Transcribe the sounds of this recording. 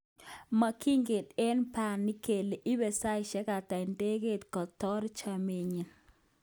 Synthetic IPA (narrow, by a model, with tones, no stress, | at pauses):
ma˨kʰi˦ŋɡe˨tɛ˦npa˨nːi˦ke˨le˨ʔi˦be˨sa˦jʃɛ˦ka˨ta˨ɪ˨nde˦ɡe˦tkɔ˨tɔ˦ɾt͡ʃa˨me˨ɲi˨n